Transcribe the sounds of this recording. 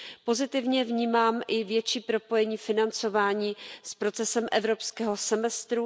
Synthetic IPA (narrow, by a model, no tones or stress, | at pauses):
po̞zɪt̪ɪvɲɛvɲiːmaːmʔɪvjɛt͡ʃiːpɾo̞po̞jɛɲiːfɪnant͡so̞vaːɲiːspɾo̞t͡sɛsɛmʔɛvɾo̞pskɛːɦo̞sɛmɛst̪ɾu